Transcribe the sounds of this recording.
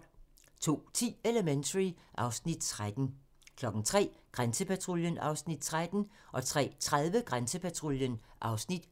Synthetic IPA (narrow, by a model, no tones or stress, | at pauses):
t͡sʰo̝̰ːt͡sʰḭːeləment͡sʰʁiʔɑ̈ʊsnid̥̚t͡sʰʁad̥n̩ | kʰlɒ̽ɡ̥n̩t͡sʰʁɛ̰ːɡ̥ʁansəpʰæt͡sʰʁo̝ljənɑ̈ʊsnid̥̚t͡sʰʁad̥n̩ | ʔɒ̽t͡sʰʁɛ̰ːt͡sʰʁað̞ˠʋəɡ̥ʁansəpʰæt͡sʰʁo̝ljənʔɑ̈ʊsnid̥